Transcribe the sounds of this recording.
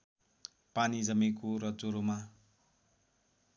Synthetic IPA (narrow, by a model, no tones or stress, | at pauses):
panid͡zʌmikorʌd͡zoɾoma